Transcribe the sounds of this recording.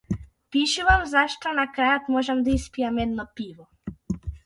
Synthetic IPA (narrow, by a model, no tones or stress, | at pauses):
piʃuvamzaʃt̪ɔnakɾajat̪mɔʒɛmd̪aispijamɛd̪nɔpiʋɔ